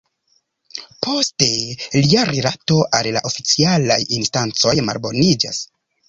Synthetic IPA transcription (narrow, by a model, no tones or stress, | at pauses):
pʰo̞ste̞liaɾelato̞ʔallaʔo̞fit͡sialajinstant͡so̞jma̰lbo̞nid͡ʒa̰s